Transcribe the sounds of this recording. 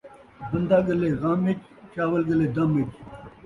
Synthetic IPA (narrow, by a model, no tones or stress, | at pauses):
bɐnd̪aːɡɐleːɣaːmet͡ʃ | t͡ɕaːwɐlɡɐleːd̪ɐmet͡ʃ